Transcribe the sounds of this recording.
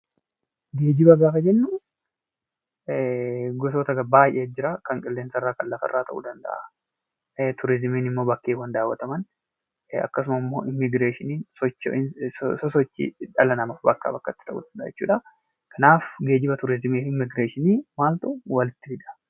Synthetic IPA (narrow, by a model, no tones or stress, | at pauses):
ɡe̞ːd͡ʒɪbɐɡaːkɐd͡ʒɛnːʊ | ɡɔs̬oːt̪ɐɡɐbaːjʔed͡ʒɪɾakɐŋkʼɪlːe̞ːnsɐrːaːkɐlːɐfɐ̰rːaːt̪ɐ̰ʔṵːd̪ɐnd̪ɐ̰ʔa | t̪ʰʊɾɪzmiːnɪmːo̞ːbɐkːeːwɐnd̪aːwːɐt̪ɐmɐn | ɐ̰kːɐs̬ʊmɐmːo̰ːʔɪmːɪɡɾeːʃɪniːnsɔt͡ʃː | sɔsɔt͡ʃːḭᶑɐlɐnɐmɐfbɐkːa̰ːbɐkːɐt̪ːɪ̥t̪ɐʔṵd̪ɐnd̪ɐʔːd͡ʒɛt͡ʃːṵːᶑɐ | kʰɐnaːfɡe̞ːd͡ʒɪbɐt̪ʊɾɪzɪmeːfɪmːɪɡɾeːʃɪniːmaːlt̪ʊwɐlɪt̪ːɪbɪd̪ɐ̥